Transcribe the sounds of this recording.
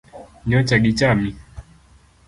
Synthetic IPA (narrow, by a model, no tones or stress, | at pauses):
ɲɔt͡ʃaɡit͡ʃami